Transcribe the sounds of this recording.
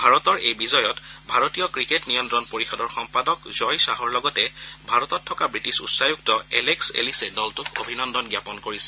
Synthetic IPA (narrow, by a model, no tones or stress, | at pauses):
bʱaɹɔtɔɹejbizɔjɔtbʱaɹotijɔkɹiketnijɔntɹɔnpoɹixɔdɔɹxɔmpadɔkzɔjsaɦɔɹlɔɡɔtɛbʱaɹɔtɔtʰːɔkabɹitisṵtsajuktɔɛ̰leksḛlisɛdɔltʊko̰bʱinɔndɔnɡjapɔnkoɹisɛ̥